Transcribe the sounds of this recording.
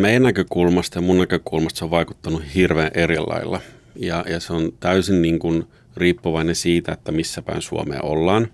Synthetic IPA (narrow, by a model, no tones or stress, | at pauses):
meijænːækøkulmɑst̪ɑjɑmunːækøkulmɑst̪soʋʋɑikut̪ːɑnuhirʋeːnʔerilːʔɑ̰ilːɑ̰ | jɑjɑseont̪æysinniːŋkun | riːpːuʋɑinensiːt̪æet̪ːæmisːæpæ̰insuo̰mḛːʔo̰lːɑːn